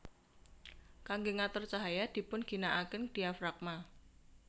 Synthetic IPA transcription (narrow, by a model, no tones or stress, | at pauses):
kaŋɡoŋat̪ɔrt͡ʃaɦajad̪̥i̤pʊnɡ̥i̤naʔakɪnd̪̥i̤afɾak̚ma